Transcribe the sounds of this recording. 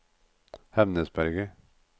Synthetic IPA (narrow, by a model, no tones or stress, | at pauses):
hɛmnəsbæɾɡə